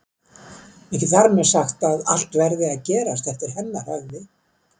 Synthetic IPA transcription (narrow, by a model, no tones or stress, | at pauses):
ɛhcɪθaɾmɛ̥saxt̪aða̰l̥t̪vɛɾðɪaðcɛːɾast̪θɛht̪ɪɾhɛnːahœɣvɪ